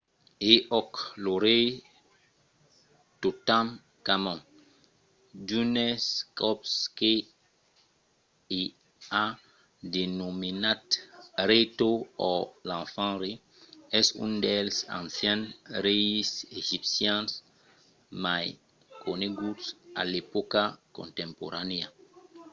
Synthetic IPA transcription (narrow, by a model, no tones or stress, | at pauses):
eʔɔkloɾe | totãm | kamãŋ | dunɛskɔpske | i | a | denominatɾet̪oɔlãfãɾe | ɛsṵ̃ndɛlsã̰nsjɛ̃nɾejiseʒipsjãns | maj | kʰoneɡutsa̰lepokakõ̰nt̪ɛ̃mpo̰ɾania